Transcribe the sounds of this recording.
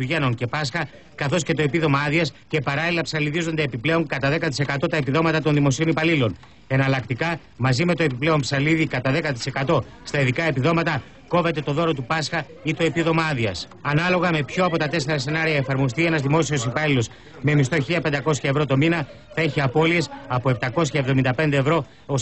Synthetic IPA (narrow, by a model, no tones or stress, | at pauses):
tuʝenoŋce̞pɐsxɐ | kɐθo̞sce̞t̪o̞e̞piðo̞mɐɐðiɐsce̞pɐɾɐlilɐpsɐliðizo̞nd̪eːpiple̞oŋkɐt̪ɐðe̞kɐt̪̬ise̞kɐt̪o̞t̪ɐepiðo̞mɐt̪ɐt̪o̞nðimo̞sio̞nipɐlilo̞n | e̞nɐlɐkt̪ikɐ | mɐzime̞t̪o̞e̞piple̞o̞mpsɐliðikɐt̪ɐðe̞kɐt̪̬i̥se̞kɐt̪o̞ | st̪ɐiðikɐe̞piðo̞mɐt̪ɐ | ko̞ve̞t̪e̞t̪o̞ðo̞ɾo̞t̪upɐsxɐ | it̪o̞e̞piðo̞mɐɐðiɐs | ɐnɐlo̞ɣɐme̞pço̞ɐpo̞t̪ɐt̪e̞se̞ɾɐse̞nɐɾiɐefɐɾmo̞s̬t̪ie̞nɐzðimo̞sio̞sipɐlilo̞s | me̞mist̪o̞çiʎɐpend̪ɐko̞sçɐevɾo̞t̪o̞minɐ | θɐeçiɐpo̞lie̞sɐpo̞e̞p̚t̪ɐko̞sçɐevðomind̪ɐpe̞nd̪e̞ːvɾo̞ | os